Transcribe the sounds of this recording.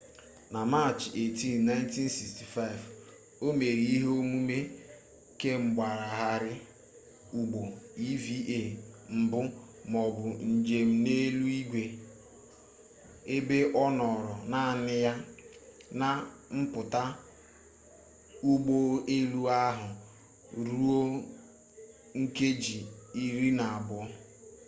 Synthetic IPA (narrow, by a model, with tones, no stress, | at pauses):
na˨ma˦t͡ʃe˨ti˦˨n˨na˦jnti˦n˦si˨ksti˨fa˦ɪ˨v | o˦me˨ɾi˨i˦ɦe˦o˦mu˦me˦ | ke˦ŋ͡m̩˨ɡ͡ba˨ɾa˨ɦa˦ɾɪ˦ | u˨ɡ͡bo˨i˦vi˦ʔe˦˨m̩˨bʊ˦ | mɔ˨bʊ˨n̩˨d͡ʒe˨m̩˦ne˦lu˦i˦ɡʷe˨ | e˦be˦ʔɔ˦nɔ˨ɾɔ˨na˦˨nɪ˦ja˦ | na˨m̩˦pʊ˨ta˦ | u˦ɡ͡bo˦e˦lu˦a˦ɦʊ˨ | ɾu˦o˦ | ŋ̩˦ke˦d͡ʒi˨i˦ɾi˦na˨a˨bʊ˦